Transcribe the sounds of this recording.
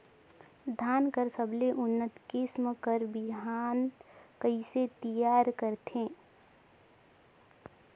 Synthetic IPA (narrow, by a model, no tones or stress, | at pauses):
d̪ʱaːnkəɾsəbʱleʔʊnːət̪kɪsmkəɾbɪɦaːnkəɪset̪ijaːɾkəɾt̪ʰẽː